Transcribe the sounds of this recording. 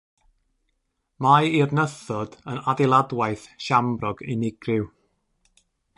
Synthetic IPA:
majɪrnəθɔd̥ənadɪlˠadwajθʃambrɔɡɪnɪɡrɪw

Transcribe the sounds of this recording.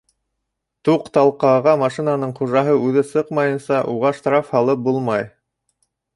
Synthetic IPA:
t̪uqt̪ɑlˠqɑʁɑmɑʃinanɤɴχuʒɑɦɤʉðɘsɤqmɑjɤ̆nsɑʔuʁɑʃt̪ɾafhɑlˠɤp̚bulˠmɑj

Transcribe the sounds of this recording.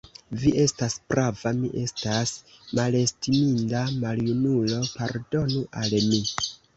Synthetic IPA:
viʔe̞staspɾavamḭʔe̞stas | male̞stimindamaljunulo̞paɾdo̞nuʔalmi

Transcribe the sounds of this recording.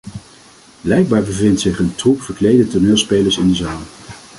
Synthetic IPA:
blɛjkɡ̚baːɹbəvɪntsɪχəntrupfəɹklejdətʊɹnɪːlˠspejləɹsɪndəzaːlˠ

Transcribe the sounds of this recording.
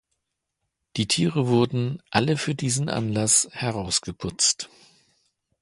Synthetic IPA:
d̥iːtʰiːʁəvʊɐdn̩ʔaləfyːɐdiːzn̩ʔa̰nlashɛʁaʊsɡ̥əpʰʊt͡st

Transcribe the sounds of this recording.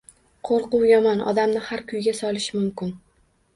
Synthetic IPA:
qʰoɾqʊwjɒmɒnɒ̰d̪amnɪhaɾkʲʰʊjɡʲasɒlˠɪʃmʊmkʲɪn

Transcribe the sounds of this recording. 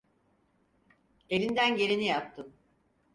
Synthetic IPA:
e̞ɾind̪ænɟe̞ɾinijap̚t̪ʰɯm

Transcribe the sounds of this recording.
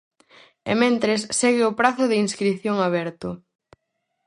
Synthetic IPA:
ḛmẽnt̪ɾesːeɣɪʊpɾaθʊðɪinskɾiθjoŋaβ̞ɛɾt̪ʊ

